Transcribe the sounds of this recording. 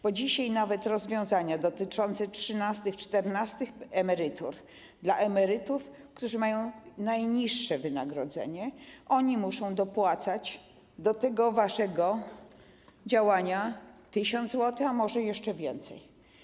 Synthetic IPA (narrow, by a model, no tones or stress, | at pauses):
b̥ɔd͡ʑiɕajnavɛt̪ɾɔzvʲjɔ̃w̃zaɲad̪ɔt̪ɘt͡ʂɔnt̪sɛtʂɘnast̪ɘxt͡ʂt̪ɛɾnast̪ɘxɛmɛɾɘt̪ṵɾ | d̪laʔɛmɛɾɘt̪uf | kt̪uʐɘmajɔ̃w̃najɲiʂːɛvɘna̰ɡɾɔd̪zɛ̰ɲɛʔɔɲimuʂɔ̃w̃d̪ɔpwat̪sat͡ɕ | d̪ɔt̪ɛɡɔvaʂɛɡɔ | d͡ʑawaɲat̪ɘɕɔnd̪zwɔt̪ɘxamɔʐɛjɛʂt͡ʂɛvʲjɛnt̪sɛ̰j